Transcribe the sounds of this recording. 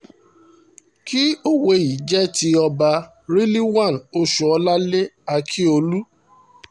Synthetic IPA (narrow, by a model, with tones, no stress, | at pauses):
ki˦o˦we˧i˨d͡ʒɛ˦ti˧ɔ˧ba˧ | ɾi˦li˦wã˦˨no˧ʃu˨ɔ˧la˦le˦a˧kʰi˦o˧lu˦